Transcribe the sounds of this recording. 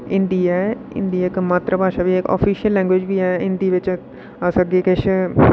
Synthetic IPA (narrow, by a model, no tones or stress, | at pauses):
ɪ̃nd̪iːa | ɪ̰nd̪iːɪkmaːt̪ɾəpaːʃaːʋiːekɔ̰ːpʰiːʃijəlːɛ̃ːŋɡʋeːd͡ʒbiːɛːɪnd̪iːʋɪt͡ʃ | əsəɡeːkɪʃʰ